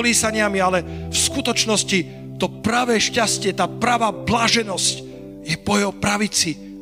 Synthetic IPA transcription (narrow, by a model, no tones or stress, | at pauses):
liːsaɲɪamialɛfskut̪ɔt͡ʃnɔsci | t̪ɔpɾaʋɛːʃcascɪɛt̪aːpɾaʋaːblaːʒɛnɔsc | jɛpɔjɛɦɔpɾaʋit͡si